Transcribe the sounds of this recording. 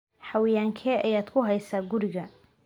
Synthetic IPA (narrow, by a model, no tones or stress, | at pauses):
ħɑwɪjaːŋkʰɛːɐjaːd̪kʰʊɦɛjsaːɡʊɾɪɣɐ